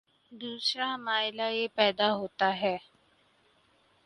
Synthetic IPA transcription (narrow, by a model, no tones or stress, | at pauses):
d̪uːsɾamaːɪlajepɛːd̪aɦoːt̪aɦɛː